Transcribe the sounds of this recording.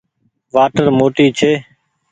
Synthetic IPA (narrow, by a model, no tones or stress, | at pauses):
ʋaːʈəɾmoːʈiːt͡ʃʰeː